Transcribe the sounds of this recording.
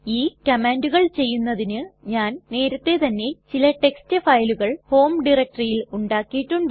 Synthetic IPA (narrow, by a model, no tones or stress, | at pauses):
iːkɐmeːnduɣɐɭt͡ɕe̞jːunːɐðinɨɲaːnne̞ːɾɐt̪ːe̞t̪ɐnːe̞t͡ɕilɐʈe̞kstɨfɐjluɣɐɭho̞ːmɖirɐk̚ʈrijiluɳɖaːkːijiʈːuɳɖ